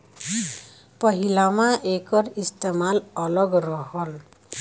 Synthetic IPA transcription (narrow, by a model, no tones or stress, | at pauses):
pʌɦilamaʔekʌɾist̪emalʌlʌɡɾʌɦʌl